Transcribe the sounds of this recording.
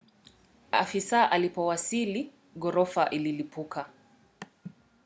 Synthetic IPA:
a̰fisaʔalipɔwasili | ɠɔɾɔfaʔililipukʰa

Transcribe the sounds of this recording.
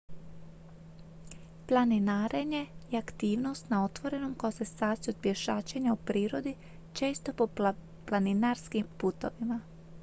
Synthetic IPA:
plˠaninaːɾeɲe̞ijakt̪iːʋno̞st̪nao̞t̪ʋo̞ɾe̞nomkaosesaːt̪sijut̪pjeʃaːt͡ʃeɲaupɾiːɾo̞d̪i | t͡ʃe̞ːst̪o̞po | planinaɾskimpuːt̪o̞̰ʋima

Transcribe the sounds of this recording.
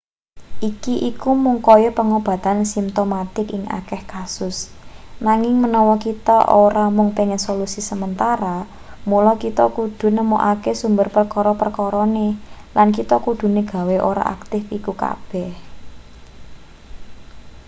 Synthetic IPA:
ʔikiʔikumuŋkɔjɔpəŋob̥ä̤t̪ansimt̪omat̪ɪkɪŋa̰kɛhkasʊsnaŋɪŋmənɔwɔkit̪a̰ʔoɾamʊŋpeŋɛnsolusisəmənt̪aɾa | mulɔkit̪ɔkud̪̥ṳnəmoʔakesumbərpərkɔɾɔpərkɔɾɔne | lankit̪ɔkud̪̥ṳnəɡ̥a̤weʔoɾa̰ʔa̰k̚t̪ɪfikuka̰b̥ɛh

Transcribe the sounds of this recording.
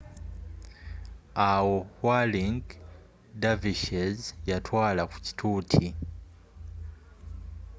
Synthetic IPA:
awohwaliŋɡ | daviʃezjatwaːlaku̥ci̥tʰuːtʰi

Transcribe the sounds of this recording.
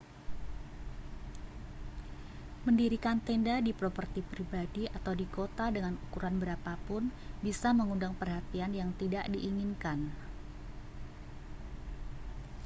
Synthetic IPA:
məndiɾikant̪ɛndadipɾopərt̪ipɾibadiʔat̪awdikot̪adəŋanukuɾanbəɾapapʊnbisaməŋundaŋpərɦat̪ianjaŋt̪idaʔdiʔːŋinkan

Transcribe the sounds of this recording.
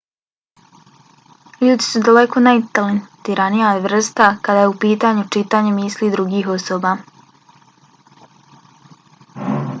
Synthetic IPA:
ʎuːd̪isud̪ale̞ko̞nait̪alent̪iːɾanijaʋr̩st̪akad̪ajeupiːt̪aɲut͡ʃit̪aːɲe̞miːslid̪ɾuɡiːɦo̞soːbaː

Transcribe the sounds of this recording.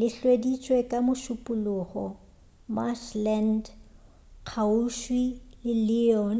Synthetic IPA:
lɪɬwedit͡ʃʼwekʼamʊʃʊpʼʊlʊχɔ | maʃlɛnd | q͡χʰauʃwilɪlɪɔn

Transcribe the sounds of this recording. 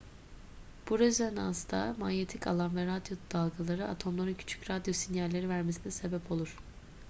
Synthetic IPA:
b̥uɾøzænast̪ʰamanjet̪ʰica̰lˠanvɛɾad̪jo̞d̪̥alˠɡalˠaɾɯat̪ʰo̞mlˠaɾɯncʰy̥t͡ʃʰy̥cɾad̪jo̞sinjalʲːe̞ɾivæɾmesinɛse̞bɛpʰo̞lˠuɾ̥

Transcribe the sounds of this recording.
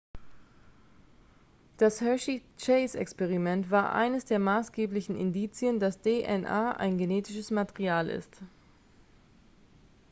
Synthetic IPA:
d̥ashœʃit͡ʃeɪsɛ̰kspɛʁ̞imɛntv̥aːɐʔa̰ɪnəsd̥eːɐmaːsɡ̥eːplɪçn̩ɪ̰ndiːt͡sjəndasd̥eːʔɛnʔaːʔa̰ɪnɡeneːtɪʃəsmatɛʁiaːlʔɪ̰st

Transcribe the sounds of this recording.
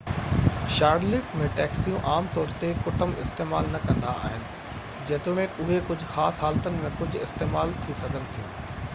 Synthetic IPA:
ʃaːɾlɪːkmẽʈɛːksijũʔaːmt̪ɔːɾt̪ekʊʈəmɪ̰st̪eːmaːlnɐkɐ̃nd̪aʔa̰ːɦɪnɪ̆ | d͡ʑeːt̪ʊɽ̃ẽʊɦekʊd͡ʑʱʊxaːsɦaːlt̪ənɪ̆mẽkʊd͡ʑʱʊ̆ɪ̰st̪eːmaːlt̪ʰisɐɡʱənɪ̆t̪ʰijṵ̃ː

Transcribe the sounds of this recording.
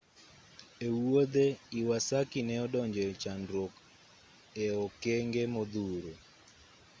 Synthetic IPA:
ewod̪eiwasakinɛɔdɔɲd͡ʒɛt͡ʃanɾok | ɛɔkeŋɡemɔd̪uɾo

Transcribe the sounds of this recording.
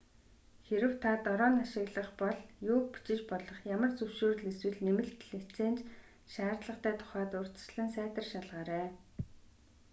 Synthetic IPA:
xeɾɘ̆w̥t̪ʰat̪ɔɾɔːnaʃɪ̆ɣɮə̆χpɔɮjʊːk̚pu̥t͡ɕɪ̆t͡ɕpɔɮɞ̆χjamə̆rt͡sɵwʃoːrɮeswɘ̆ɮnemɘ̆ɮt̪ɮet͡seːnt͡ɕ | ʃaːrt̪ɮə̆χt̪ʰæːt̪ʰʊ̥χæːt̪ʊr̥t͡s̪̆t͡ɕɮə̆nsæːt̪ə̆rʃaɮʁaːɾæː

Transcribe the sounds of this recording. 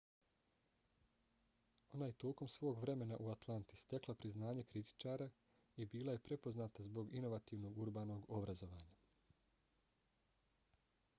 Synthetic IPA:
o̞naːje̞t̪o̞ːko̞msʋo̞ːɡʋɾe̞me̞naʔuat̪lˠant̪i̥st̪e̞klapɾiznaːɲe̞kɾit̪i̥t͡ʃaːɾa | ibiːlaje̞pɾe̞po̞znaːt̪azbo̞ɡino̞ʋat̪iːʋno̞ɡuɾbaːno̞ɡo̞bɾazo̞ʋaːɲa

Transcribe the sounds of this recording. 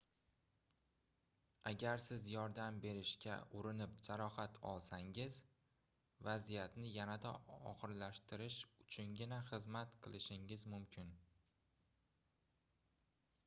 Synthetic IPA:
aɡʲaɾsɪzjɒɾd̪ambe̞ɾɪʃkʲa̰ʊɾɪnɪp̚d͡ʒaɾɒhat̪ʰɒ̰lˠsaŋɪz | vazijat̪nɪjanad̪aɒ̰χɨɾlaʃt̪ɪɾɪʃʊt͡ʃʰʊnɡʲɪnaχɨzmat̪qʰɨlˠɪʃɪŋɪzmʊmkʲʰɪn

